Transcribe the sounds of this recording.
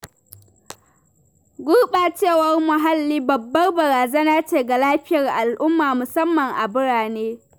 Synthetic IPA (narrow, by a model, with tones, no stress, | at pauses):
ɡʷʊ˦rɓaː˨t͡ʃeː˦˨wɐ˦rmʊ˨ɦa˦lːiː˦bɐ˨bːɐ˦rbɐ˨ɾaː˨zeː˦naː˦t͡ʃeː˨ɡa˨laː˦ɸɪ˦jɐ˨rʔa˨lʔʊ˦mːaː˨mʊ˨sɐ˦mːɐ˨ŋʔa˨bʊ˦ɽaː˨neː˦